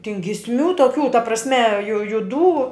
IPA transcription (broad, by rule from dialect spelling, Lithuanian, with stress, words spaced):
tʲɪn ɡʲɪsʲˈmʲuː toːˈkʲuː tɐ prɐsʲˈmʲɛ jʊ jʊˈduː